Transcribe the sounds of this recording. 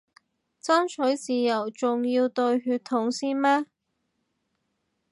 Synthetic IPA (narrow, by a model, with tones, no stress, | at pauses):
t͡sɐ˥nsʰɵ˨˥jt͡siː˨˩jɐ˨˩wt͡sʊ˨ŋjiː˧wt̪ɵ˧ɥɦyː˧t̪ʰːʊ˨˥ŋsiː˥nmɛː˥